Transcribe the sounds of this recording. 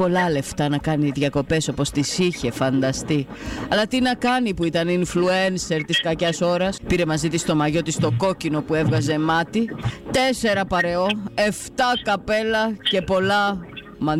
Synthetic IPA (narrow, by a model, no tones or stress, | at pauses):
o̞lɐle̞ft̪ɐnɐkɐniðʝɐko̞pe̞so̞po̞st̪isiçe̞fɐnd̪ɐst̪i | ɐlɐt̪inɐkɐnipuit̪ɐninfluense̞ɾt̪iskɐcɐso̞ɾɐspiɾe̞mɐzit̪ist̪o̞mɐʝo̞t̪ist̪o̞ko̞cino̞pue̞vɣɐze̞mɐt̪it̪e̞se̞ɾɐpɐɾe̞o̞e̞ft̪ɐkɐpe̞lɐce̞po̞lɐ | mɐ